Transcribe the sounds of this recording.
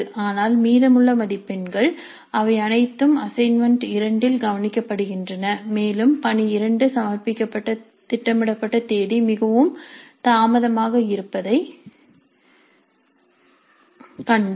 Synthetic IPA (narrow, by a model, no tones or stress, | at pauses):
ʔaːnaːlmiːðɐmɯɭːɐmɐðɪpːɛnɡɐɭ | ʔɐʋɐɪɐnɐɪt̪ːɯmɐsɐɪnmɐɳɖɪɾɐɳɖɪlɡɐʋɐnɪkːɐpːɐɽɯɣɪndrɐnɐmeːlɯmpɐniɪɾɐɳɖɯsɐmɐɾpɪkʲːɐpːɐʈːɐ | t̪ɪʈːɐmɪɽɐpːɐʈːɐt̪eːɽimɪɣɐʋɯmt̪aːmɐðɐmaːɣɐɪɾɯpːɐðɐɪ | kɐɳ